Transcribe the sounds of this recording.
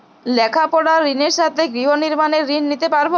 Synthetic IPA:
lɛkʰapɔɽaɾineɾʃat̪ʰeɡɾiɦoniɾmaneɾːinːit̪epaɾbo

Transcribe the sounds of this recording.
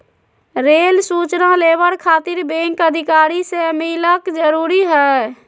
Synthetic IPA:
ɾeːlsuːt͡ʃnaleːʋəɽkʰaːt̪ɪɾbẽŋkəd̪ʱɪkaːɾisemiləkd͡ʒəɾuːɾiɦɛː

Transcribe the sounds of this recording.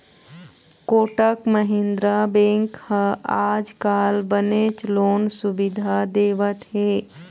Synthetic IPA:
koːʈəkməɦend̪ɾabẽŋkhə̃ad͡ʒkalbənet͡ʃloːnsubid̪ʱad̪eːʋət̪ɦe

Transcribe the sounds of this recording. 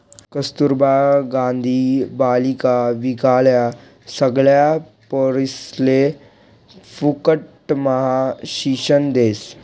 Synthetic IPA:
kəst̪uɾbaɡãnd̪ʱibalikaʋikaɭja | səɡɭja | poɾisle | fukəʈməɦaɕiɕənd̪eːs

